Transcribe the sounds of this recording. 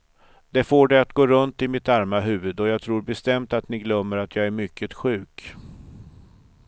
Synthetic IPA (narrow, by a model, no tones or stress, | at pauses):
d̪̥ɛfoːɖɛat̪ɡoːɾɵnt̪ɪmɪt̪aɾmaɦʉ̟ːvɵd̪ɔjɑːɡt̪ʰɾuːɾbɛst̪ɛmt̪at̪nɪɡlœmːəɾat̪ʰjɑːɡæɾmʏkʰːət̪ɧʉ̟ːk